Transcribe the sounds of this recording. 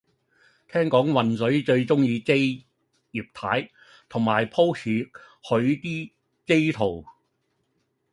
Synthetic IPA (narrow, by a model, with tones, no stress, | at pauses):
t̪ʰɛː˥ŋkɔː˨˥ŋwɐ˨nsɵ˨˥ɥt͡ʃɵ˧ɥt͡sʊ˥ŋjiː˧ke˥j | jiː˨p̚t̪ʰaː˨˥j | t̪ʰʊ˨˩ŋmaː˨jpʰo˥wt͡sʰiː˨˥ | hɵ˨˥ɥt̪iː˥ | t͡se˥jt̪ʰo˨˩w